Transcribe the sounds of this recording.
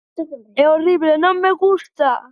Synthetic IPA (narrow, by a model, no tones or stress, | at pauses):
ɛoriβlenõmːeɣust̪a